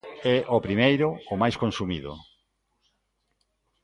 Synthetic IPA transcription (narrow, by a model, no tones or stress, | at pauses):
ɛʔopɾimejɾʊːmajskonsumiðʊ̰